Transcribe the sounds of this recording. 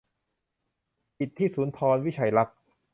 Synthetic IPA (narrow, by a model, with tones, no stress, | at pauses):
pi˨˩t̪ʰːiː˥˩suː˩˦nt̪ʰɔː˧nwi˦˥˩t͡ɕʰa˨˩jla˦˥k̚